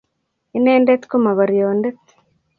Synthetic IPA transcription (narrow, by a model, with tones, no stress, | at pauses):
i˦neː˦nde˦t̪ko˦ma˨βa˨ɾi˨jo˨nde˦t̪